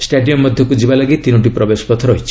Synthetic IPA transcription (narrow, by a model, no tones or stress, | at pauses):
sʈeɖiɔmːɔd̪ʱjɔkud͡ʒibalaɡit̪inoʈ̬ipɾɔbesɔ̥pɔt̪ʰɔɾɔɦit͡ʃʰi̥